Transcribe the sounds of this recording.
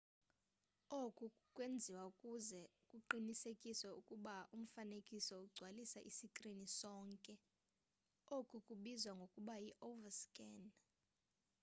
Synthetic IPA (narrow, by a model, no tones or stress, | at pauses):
okʼukʼwend͡zʱiwaukʼuzɛkʼuǃinisekʼiswɛukʼuɓaum̩fanekʼisɔuɡ͡ǀʱwalisaʔisikʼrinisɔːŋkʼɛ | okʼukʼuɓizwaŋɡʱokʼuɓajiʔovaskʼɛːn